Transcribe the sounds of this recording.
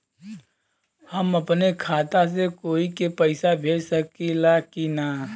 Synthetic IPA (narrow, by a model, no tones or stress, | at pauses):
həməpnekʰaːt̪as̬ekoːikepəɪsabʱeːɽsəkilakina